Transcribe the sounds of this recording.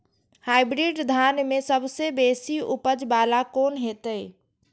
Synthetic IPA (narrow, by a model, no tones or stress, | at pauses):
hajbɾiɖd̪ʱanmesəbsebesiupəd͡ʒbalakonɦet̪əj